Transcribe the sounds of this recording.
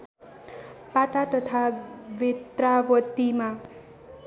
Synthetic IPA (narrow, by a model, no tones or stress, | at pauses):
pat̪at̪ʌt̪ʰabet̪rawʌt̪ima